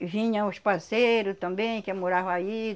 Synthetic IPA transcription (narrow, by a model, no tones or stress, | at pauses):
vĩɲɐ̃ʊʃpaseɾʊt̪ɐ̃mbẽj̃kɛmoɾaɦai